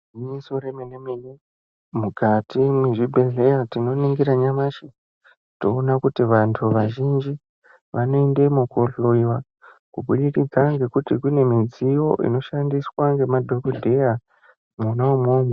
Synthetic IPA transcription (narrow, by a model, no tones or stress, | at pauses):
iɲisoɾemenemine | mukʰatimweʐibʱeɮe̞jatino̞niŋɡiɾaɲamaʃi | to̞ːnakutiʋantʰuʋaʒind͡ʒi | ʋano̞ende̞mukoɬoiwa | kubuɗikid͡zaŋɡe̞kutikune̞mid͡zijo̞̰ʔḭno̞ʃandiswaŋɡe̞madʱokodʱe̞ja | munaumoːmo